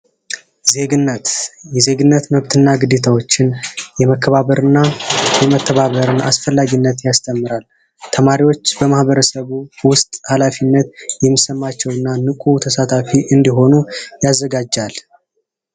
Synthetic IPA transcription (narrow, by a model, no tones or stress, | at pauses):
ze̞ɡɨnːət̪jɛze̞ɡɨnːət̪məβt̪ʰɨnːaɡɨd̪et̪ʰawo̞t͡ʃːɪnjɛməkʰːəβaβəɾɨnːajɛmət̪ʰːəβaβəɾɨna̰sfəlːaɡinːət̪jast̪ʰəmːɨɾal | t̪ʰəmaɾiwo̞t͡ʃːbəmahbəɾəsəβuwʊst̪ʼhalafinːət̪jɛmːisəmːat͡ʃːɛwɨnːanɨkʼut̪ʰəsat̪ʰafiʔɨnd̪iɦo̞nujazːəɡad͡ʒːal